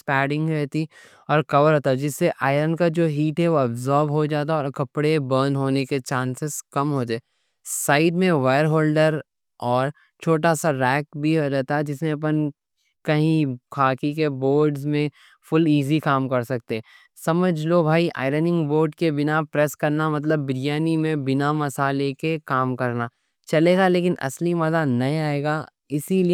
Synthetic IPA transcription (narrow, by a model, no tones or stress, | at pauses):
spɛːɖɪ̃ŋɡɾɛɦt̪i | ɔːɾkɐʋəɾɦoːt̪aɛd͡ʒɪsːeʔaːɪɾənkad͡ʒoːɦiːʈɦɛʋoɐbzɔːɾʋɦod͡ʒaːt̪̬aɔːɾkɐpɽebəːnɦoːneket͡ʃãːnsɪzkɐmɦoːd͡ʒa | saːɪɖmẽʋaːəɾɦoːlɖəɾ | ɔːɾ | t͡ʃʰoːʈasaɾɛːk̚bʱiɦod͡ʒaːt̪aɦɛd͡ʒɪsmẽɐp̬ən | kɐɦĩkʰaːkikeboːɾɖzmẽ | fʊliːzikaːmkɐɾsɐk̚t̪eɦɛ | sɐməd͡ʒʱlobʱaːiʔa̰ːɪɾənɪ̃ŋɡboːɾɖkebɪnapɾeskɐɾnamɐt̪̬ləbːɪɾijaːnimẽbɪnamɐsaːlekekaːmkɐɾnaː | t͡ʃɐleːɡaleːkɪnʔɐ̰slimɐzanɐɦĩaːeːɡa | ɪsili